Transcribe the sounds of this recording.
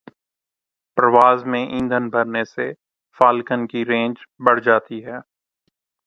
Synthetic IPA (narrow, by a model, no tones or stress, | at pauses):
pɾəʋaːzmẽʔĩːnd̪ʱənbʱəɾnese | faːlkənkiɾẽːnd͡ʒbəɽ̤d͡ʒaːt̪iɦɛː